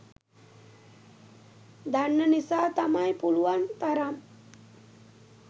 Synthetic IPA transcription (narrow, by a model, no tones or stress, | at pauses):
d̪anːənisaːt̪amajpuluʋant̪aɾam